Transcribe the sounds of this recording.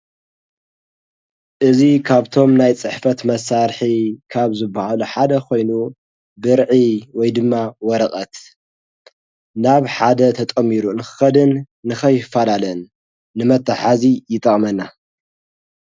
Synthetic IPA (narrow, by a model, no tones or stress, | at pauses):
ʔɨzikʰaβt̪ʰo̞mnajt͡sʼɨħfɐt̪mɐsaɾħikʰaβzɨbːɐhaluħad̪ɐkʰo̞jnu | bɨɾʕiwɔjd̪ɨmːawɔɾɐkʼɐt̪ | naβħad̪ɐt̪ʰɐt̪ʼɐmːiɾunɨxɨ̥xɐd̪ɨnː | ɨxɐjɪfːalalɐnː | ɨmɐt̪ːaħazijɪt̪ʼɐχʼmɐnːa